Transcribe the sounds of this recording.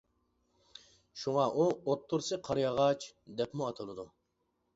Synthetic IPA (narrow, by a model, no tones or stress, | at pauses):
ʃuŋɑʔuot̪ʰːuɾsɨqʰɑɾjɑʁɑt͡ʃʰd̪ɛpmuɑt̪ʰɨlˠɨd̪u